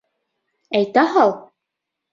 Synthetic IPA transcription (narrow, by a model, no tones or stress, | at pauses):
æjt̪æɦɑlˠ